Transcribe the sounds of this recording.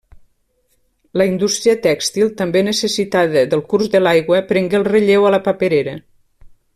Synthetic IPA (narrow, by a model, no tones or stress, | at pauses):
ləind̪ust̪ɾiət̪ɛkst̪ilˠt̪əmbenəsesit̪aðəðəlˠkuɾzðəlajɣwəpɾɛŋɡeəlˠreʎewaləpapəɾeɾə